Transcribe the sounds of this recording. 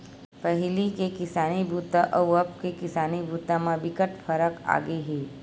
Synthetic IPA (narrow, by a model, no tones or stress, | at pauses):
pɐɦɪlikekɪsaːnibʱuːt̪aʔɐʋəp̚kekɪsaːnibʱuːt̪ãmãʋɪkəʈfʰəɾəka̰ːɡeɦeː